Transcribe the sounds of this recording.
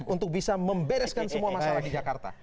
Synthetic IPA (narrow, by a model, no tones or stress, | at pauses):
ʔunt̪ʊk̚bisaməmbɛɾɛskansəmuamasaakdid͡ʒakart̪a̰